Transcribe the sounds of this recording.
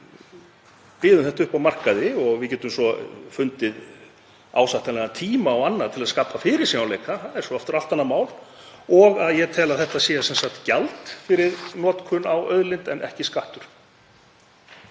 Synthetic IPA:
pɪːðʏmθɛht̪aʏhpawmar̥kaðɪɔɣvɪðcɛːt̪ʏmsɔfʏnt̪ɪð | awsaht̪anɛnat̪ʰiːmaɔwanːaðt̪ʰɪlaðskaːpʰafɪɾɪ̥simawlejkaθaðɛɾ̥sɔɔft̪ʏɾal̥t̪anːamaːwl | ɔɣaðjɛt̪ʰɛːlaðθɛht̪asjɛːasɛnsakt̪calt̪fɪɾɪɾnɔːt̪kʰʏnawœðlɪnt̪ɛnʔɛ̰hcɪskaht̪ʏɾ̥

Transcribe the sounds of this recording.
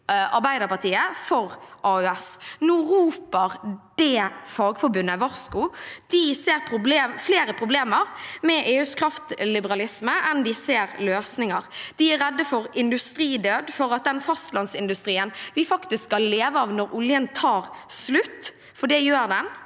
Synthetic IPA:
ɑɾbæɪd̪əpɑʁt̪ʰiːəfɔʁʔɑːʉɛsnuːɾuːpəʁd̪̥ɛfɑːɡfɔɾbʉnːəʋɑɾskʊd̪̥ɪseːɾpʰɾʊbleːmfleːɾəpʰʁʊbleːməɾmɛʔeːʉːskʰɾɑft̪lɪbəɾɑlɪsməʔɛnd̪ɪseːɾløːsnɪŋɑɾd̪̥ɪæɾɛd̪ːəfɔɾɪnd̪ʉst̪ɾiːd̪øːd̪fɔɾɑt̪̚d̪ɛnfɑst̪lɑnsɪnd̪ʉst̪ɾiːənʋɪfɑkt̪ɪsskɑllːeːʋəɑʋnɔɾʊljənt̪ʰɑːɾslʉt̪ː | fɔɖɛjøːɾd̪ɛn

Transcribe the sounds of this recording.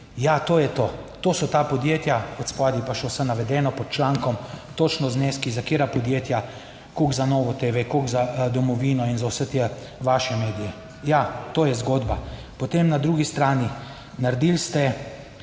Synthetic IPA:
jat̪oːjɛt̪ot̪oːsɔt̪aːpɔd̪jet̪jaɔt̪spaːd̪ipaʃɛwsɛnaʋɛd̪ɛːnɔpɔt̪̚t͡ʃlaŋkɔmt̪ot͡ʃnɔzneːskizakeːɾapɔd̪jeːt̪ja | koɡzanɔːʋɔt̪eːʋɛkoɡzad̪ɔmɔʋiːnɔinzawsət̪ɛ | ʋaːʃɛmeːd̪ijɛ | jat̪oːjɛzɡoːd̪ba | pot̪emnad̪ɾuɡist̪ɾaːni | naɾd̪ilst̪ɛ

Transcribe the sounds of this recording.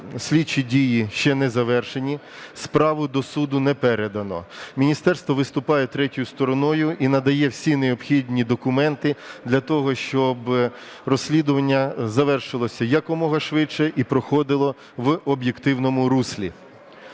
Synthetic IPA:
sʲlʲit͡ʃːidʲijiʃt͡ʃɛnɛzɐʋɛrʃenʲi | spɾɑʋʊd̪ɔsud̪ʊnɛpɛɾed̪ɐnɔ̰mʲinʲist̪ɛrst̪ʋɔʋɪst̪ʊpɑjɛt̪ɾɛtʲʊjʊst̪ɔɾɔnɔjʊʔinɐd̪ɐjɛwsʲineɔpxʲid̪ʲnʲid̪ɔkʊmɛnt̪ɪd̪lʲɐt̪ɔɦɔʃt͡ʃɔb | rɔsʲlʲid̪ʊʋɐnʲːɐzɐʋɛrʃɪlˠɔsʲɐjɐkɔmɔɦɐʃʋɪt͡ʃɛʔipɾɔxɔd̪ɪlˠɔ | ʋɔbjekt̪ɪwnɔmʊɾusʲlʲḭ

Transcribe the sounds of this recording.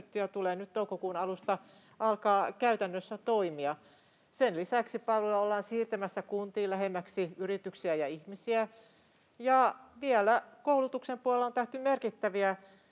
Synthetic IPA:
t̪ːyjɑt̪uleːnyt̪t̪oukokuːnɑlust̪ɑ | ʔɑlkɑːkæyt̪ænːøsːæt̪oimiɑ | senlisæksipɑlojɑolːɑːnsiːrt̪æmæsːækunt̪iːlæhemːæksiyrit̪yksiæjɑihmisiæ | jɑʋiælækoulut̪uksempuɑlont̪æht̪ymerkit̪ːæʋiæ

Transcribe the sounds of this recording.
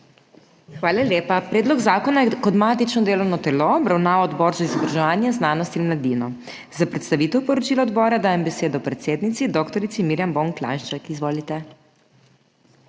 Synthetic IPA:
xʋaːlaljeːpapɾɛːd̪lɔɡzaːkɔnajɛkɔd̪mat̪it͡ʃnɔd̪eːlɔwnɔt̪ɛloːbɾawnaːʋaɔd̪bɔːɾzaizɔbɾaʒɛʋaːnjɛznaːnɔst̪inmlad̪inɔ | zapɾɛt̪st̪aʋit̪ɛwpɔɾɔt͡ʃiːlɔɔd̪bɔːɾad̪aːjɛmbɛseːd̪ɔpɾɛt̪seːd̪nit̪sid̪ɔkt̪ɔɾit̪simiɾjambɔŋkla̰ʃt͡ʃakizʋoːlit̪ɛ

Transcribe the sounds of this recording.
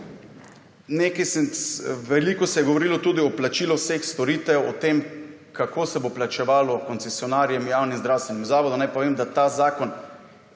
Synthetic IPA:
neːkajsɛnʋɛliːkɔsɛjɛɡɔʋoɾilɔt̪uːd̪iɔplat͡ʃiːlɔwsexst̪ɔɾiːt̪ɛjwɔt̪eːm | kʰakʰoːsɛboplat͡ʃɛʋaːlɔkɔnsɛsjɔnaːɾjɛmjaːwnimzd̪ɾaːwst̪ʋɛnʲimzaːʋɔd̪unajpɔʋemd̪at̪aːzaːkɔn

